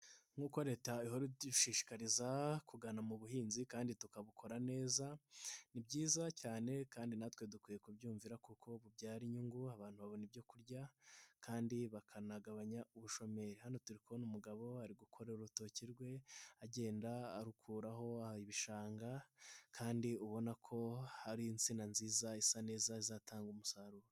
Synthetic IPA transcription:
ŋ̥uːko̞ɾeːtaiɦo̞ɾiʃiːʃi̥kaɾizakuɡanamuβuɦiːnzikaːnditukaβukʰo̞ɾane̞ːzanibɟiːzacaːne̞kaːndinatwe̞dukwiːje̞kubɟuːɱviɾakukʰo̞βubɟaːɾiɲuŋɡuaβaːn̥huβaβo̞nibɟo̞kuɾɟakʰaːndiβakʰanaɡaβaɲauβuʃo̞me̞ɾihano̞tuɾikʰonumuɡaβo̞haɾiɡukʰo̞ɾeɾuɾuto̞ciɾɡwe̞aɟe̞ːndaːɾukʰuːɾaɦo̞aiβiʃaːŋɡakʰaːndiuβo̞nakʰo̞haɾiːnt͡sinanziːzaisane̞ːzaizatʰaːŋɡumusaɾuːɾo

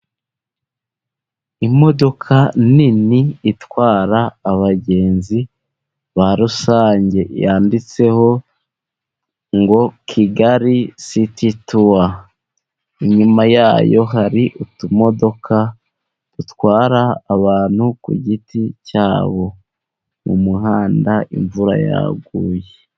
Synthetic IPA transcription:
imo̞do̞kʰaniniːtwaːɾaːβaɟe̞ːnzi | βaɾusaːɲɟe̞jaːndit͡se̞ho̞ | ŋɡo̞kʰiɡaɾisitituwa | iɲumajaːjo̞ɦaɾiʔutumo̞do̞kʰa | tutwaːɾaːβaːn̥hukṵɟiticaːβo̞ | mumuɦaːndaʔḭɱvuɾa̰ja̰ɡuːje

